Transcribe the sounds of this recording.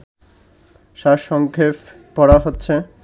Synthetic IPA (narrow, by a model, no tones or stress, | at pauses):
ʃaʃɔŋkʰep | pɔɽaɦotːɕʰe